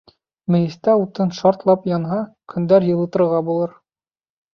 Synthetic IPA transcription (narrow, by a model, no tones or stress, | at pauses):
mɘ̆jɘ̆st̪æut̪ɤnʃɑɾt̪lˠɑpjɑnɦɑkʰɵ̆nd̪æɾjɤ̆lˠɤ̆t̪ɤ̆ɾʁɑbulˠɤɾ